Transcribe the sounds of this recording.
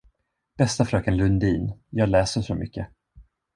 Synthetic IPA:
b̥ɛst̪afɾœːkənlɵnd̪iːnjɑːɡlɛːsəʂɔmʏ̰kːə

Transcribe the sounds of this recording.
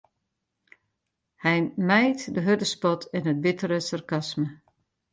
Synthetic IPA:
hɛjmɛjtdəɦødəspɔtʰɪnɦət̚bɪtəɾəsarkasmə

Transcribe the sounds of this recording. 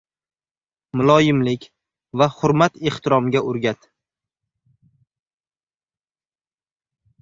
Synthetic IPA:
mʊlˠɒjɪmlɪkʲ | vahʊɾmat̪eht̪ʰɪɾɒmɡʲaʔʊɾɡʲat̪

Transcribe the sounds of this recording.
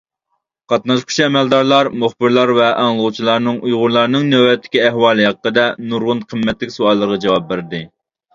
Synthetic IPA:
qʰɑt̪nɑʃqʰʊ̥ʃɛmɛld̪ɑɾlˠɑɾmʊχbɪɾlˠɑɾvɛʔɑŋlˠəʁut͡ʃʰilˠɑɾnɨŋujʁʊɾlˠɑɾnɨŋnøwɛt̪ʰːɪ̥kʲiɛhwɑːlˠɨɦɛqːəd̪ɛnuɾʁʊnqʰəmːɛt̪lɪkʲsuɑlˠːəɾəʁɑd͡ʒɛwɑp̚bɪɾɪd̪ɪ

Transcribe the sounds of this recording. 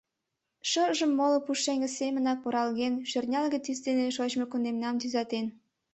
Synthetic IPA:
ʃəʒə̆mːolopuʃeŋɡə̆semə̆nɑk̚poɾɑlɣenʃørnʲɑlɣət͡sisd̪eneʃot͡ɕmokund̪emnɑmt̪yzɑt̪en

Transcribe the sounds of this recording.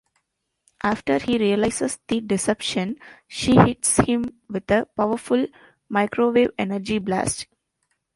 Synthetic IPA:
ʔaːfʈəɾhiːɾiəlaɪsesd̪̥iɖɪsɛpʃə̃nʃiːhɪʈshɪ̃mʋɪd̪əpaʊʋəɾfʊl | maɪkɾoːʋeːʋenəɾd͡ʒiblæ̰ːsʈ

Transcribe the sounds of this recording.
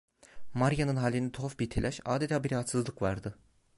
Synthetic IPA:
maɾjanɯnɦaːlʲːind̪ɛt̪ʰofbiɾt̪ʰelʲʔæʃaːd̪et̪ʰaːbiɾahat̪sɯzlˠɯkvaɾd̪ɯ

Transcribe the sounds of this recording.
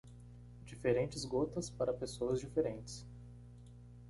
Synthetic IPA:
d͡ʒifeɾẽnt͡ʃɪzɡot̪ɐspaɾɐpesoɐzd͡ʒifeɾẽnt͡ʃɪ̥s

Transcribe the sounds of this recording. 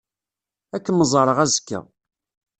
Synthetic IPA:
ækːəməzˤɑɾˤəʁæzəkːæ̰

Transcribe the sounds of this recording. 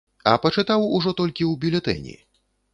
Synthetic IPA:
ɐpɐt͡ʂɨt̪awuʐɔt̪ɔlʲkʲiwbʲilʲɛt̪ɛ̰nʲḭ

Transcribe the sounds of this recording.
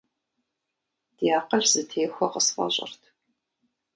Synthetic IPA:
d̥ijaːqɐɬz̥ɨtʰeːxʷɔqəsfɐ̰ɕʼɪ̰rtʰ

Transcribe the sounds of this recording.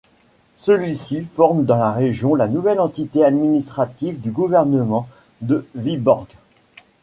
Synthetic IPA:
səlɥisifɔʁmd̪ɑ̃laʁeʒjɔ̃lanuvɛlɑ̃t̪it̪ead̪minist̪χat̪ivd̪yɡuvɛʁnəmɑ̃ | d̪əvibɔʁɡ

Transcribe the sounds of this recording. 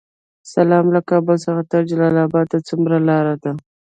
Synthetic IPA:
salɑmlakɑbəlsəxat̪aɾd͡ʒalɑlɑbɑd̪̚t̪at͡sʊmɾalɑɾad̪a

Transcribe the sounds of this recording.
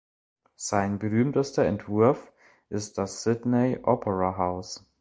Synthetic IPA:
z̥aɪnbəʁyːmtəstɐɛntv̥ʊɐf | ʔɪst̚d̥asːɪdneɪʔɔːpʰəʁaɦaʊs

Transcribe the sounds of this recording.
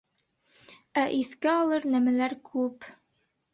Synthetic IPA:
æʔiskæɑlˠɤɾnæmælæɾkʰʉp

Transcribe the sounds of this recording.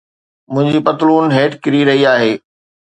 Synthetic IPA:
mʊ̃ɦɪ̃ɲd͡ʑipɐt̪luːnɦeːʈkɪɾiɾɐɦiaːɦeː

